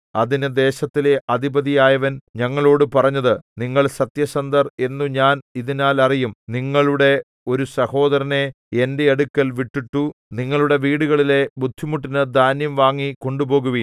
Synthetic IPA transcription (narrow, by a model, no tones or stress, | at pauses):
ɐðinɨd̪e̞ːɕɐt̪ːile̞ʔɐd̪ʱibɐðijaːjɐʋɐnɲɐŋːɐɭo̞ːɽɨpɐrɐɲːɐðɨniŋːɐɭsɐt̪jɐɕɐnd̪ɐre̞nːuɲaːniðinaːlɐrijumniŋːɐɭuɽe̞ | o̞ɾusɐho̞ːðɐɾɐne̞ | e̞nde̞ːɽukːɐlʋiʈːiʈːuniŋːɐɭuɽe̞ʋiːɽuɣɐɭile̞bud̪ʱːimuʈ̬ːinɨd̪ʱaːnjɐmʋaːŋːiko̞ɳɖubo̞ːɣuʋi